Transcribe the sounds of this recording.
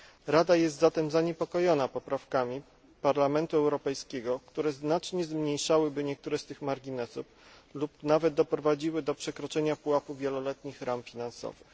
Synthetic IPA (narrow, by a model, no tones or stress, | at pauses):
ɾad̪ajɛst̪zat̪ɛmzaɲɛpɔkɔjɔnapɔpɾafkamʲi | paɾlamɛnt̪uɛwɾɔpɛjskʲeɡɔkt̪uɾɛznat͡ʂɲɛzmɲejʂawɘbɘɲɛk̚t̪uɾɛst̪ɘxmaɾɡʲinɛsuflupnavɛd̪̚d̪ɔpɾɔvad͡ʑiwɘd̪ɔpʂɛkɾɔt͡ʂɛɲapuwapuvʲjɛlɔlɛt̪ɲixɾamfʲinansɔ̰vɘx